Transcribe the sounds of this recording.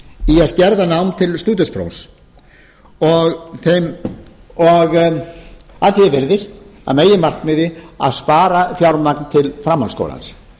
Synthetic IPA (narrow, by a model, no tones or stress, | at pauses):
iaðscɛɾðanawmt̪ʰɪlst̪uːt̪ʏspɾo̰wns | ɔɣθejm | ɔɣ | aðθjɛvɪɾðɪst̪a̰ðmeːjɪmar̥kmɪðɪa̰ðspaːɾafjawɾmaknt̪ʰɪlfɾamːansko̰wla̰ns